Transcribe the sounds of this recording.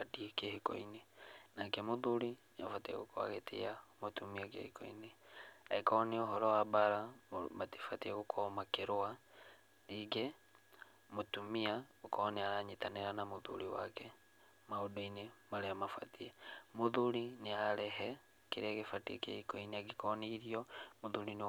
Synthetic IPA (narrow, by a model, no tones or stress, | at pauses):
atiekehikɔ̰inenakɛmoðuɾineafatiɛ̰ɣokoa̰ɣetʰḛjamotumiakḛhikɔ̰ḭneaekɔniɔɦɔɾɔwabaɾamati̥fatiɛɣokʰɔmakeɾoa | iɡɛ | motumiaokɔniaɾaɲitaneɾanamoðṵɾiwa̰kɛ | maodɔinemaleamafa̰tiɛmoðuɾineaɾɛɦɛ | keɾaɣefatiḛkḛikɔineakikɔniɾiɔmoðuɾin